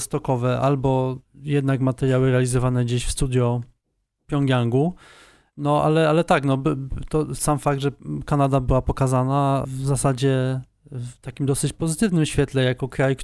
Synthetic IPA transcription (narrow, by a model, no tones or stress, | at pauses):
st̪ɔkɔvɛʔalbɔjɛd̪nakmat̪ɛɾjawɘɾɛalʲizɔvanɛd͡ʑeɕfst̪ud̪ʲjɔ | pʲjɔŋɡʲjaŋɡu | nɔʔa̰lɛalɛt̪aknɔbt̪ɔsamfaɡd̪ʐɛkanad̪abɘwapɔkazanavzasad͡ʑɛ | ft̪akʲimd̪ɔsɘt͡ɕpɔzɘt̪ɘvnɘmɕfʲjɛt̪lɛjakɔkɾajk